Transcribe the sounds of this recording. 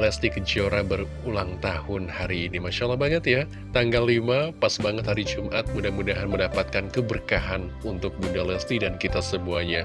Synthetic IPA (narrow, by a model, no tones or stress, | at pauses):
lɛst̪ikəd͡ʒioɾabər | ulaŋt̪ahʊnhaɾiːnimaʃalahbaŋət̪ja | t̪aŋɡalːimapasbaŋət̪haɾid͡ʒumʔat̪̚mudahmudaɦanməndapat̪̚kankəbərkaɦan | unt̪ʊk̚bundalɛst̪idankit̪asəmuahɲa